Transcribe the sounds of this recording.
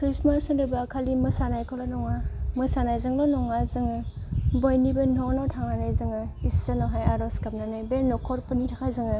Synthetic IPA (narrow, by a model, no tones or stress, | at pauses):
kʰɾismasandɯbakʰalimɯsanajkʰɔlɔnɔŋamɯsanajzɯŋlɔnɔŋazɯŋɯbojnibɯnɔnɔtʰaŋanajzɯŋɯisanaɦajaɾɔskap̚nanajbenɔkʰɔɾpɯnitʰakʰajzɯŋɯ